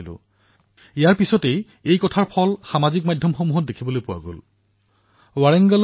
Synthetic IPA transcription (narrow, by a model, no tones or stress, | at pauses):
lʊ̰̃ | ijaɹpisɔtej | ejkɔtʰaɹpʰɔlxamazikmadʱjɔmxɔmuɦɔt̚dekʰibolojpʊwa̰ɡo̰l | waɹɛŋɡal